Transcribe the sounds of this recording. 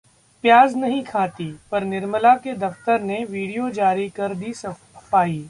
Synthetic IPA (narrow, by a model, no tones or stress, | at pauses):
pjaːznɐɦĩkʰaːt̪ipɐɾnɪɾməlaked̪ɐft̪əɾneʋiːɽijod͡ʒaːɾikɐɾd̪isɐ | paːiː